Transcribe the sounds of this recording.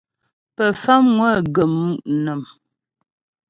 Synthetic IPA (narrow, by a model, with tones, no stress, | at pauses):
pə˨fa˦mŋwə˦˨ɡə˨m˦˨ʔnə˨m